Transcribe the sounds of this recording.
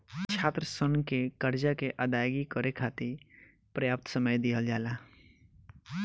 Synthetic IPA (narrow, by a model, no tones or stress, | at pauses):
t͡ʃʰaːt̪ɾəsʊnkekɐɾd͡ʒakeʔad̪aːjɡikɔɾekʰaːt̪i | pɾɐjaːp̚t̪səməjd̪ijəld͡ʒaːlaː